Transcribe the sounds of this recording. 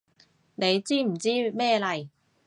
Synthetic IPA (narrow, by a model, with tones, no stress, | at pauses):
ne˨˧jt͡siː˥m̩˨˩t͡siː˥mɛː˥lɐ˨˩j